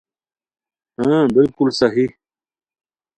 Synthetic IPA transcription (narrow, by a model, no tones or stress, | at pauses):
ɦãbɪlkulsɐɦi